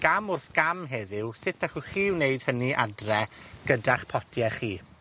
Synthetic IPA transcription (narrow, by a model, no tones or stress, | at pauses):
ɡ̥amʊrθɡ̥amɦɛðɪwsɪtʰaχuχiːwneɨd̥həniʔa̰drɛɡ̥ədaχpʰɔtʰjɛχiː